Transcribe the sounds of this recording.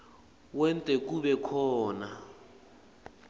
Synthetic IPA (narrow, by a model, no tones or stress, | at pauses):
wɛntʼɛk̬ʼuβɛkʰɔːna